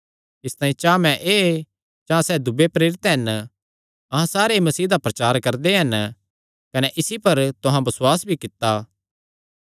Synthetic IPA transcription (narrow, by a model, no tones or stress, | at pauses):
ɪst̪aːĩt͡ʃãːmɛ̃ʔeː | d͡ʒãːsɛːd̪ʊbepɾeːɾɪt̪ɦɐn | ɐɦãsaːɾemɐsiːd̪apɾɐt͡ʃaːɾkɐɾd̪eɦɐn | kɐneʔɪsipɐɾt̪ʊɦãbɐswaːsbʱikɪt̪ːa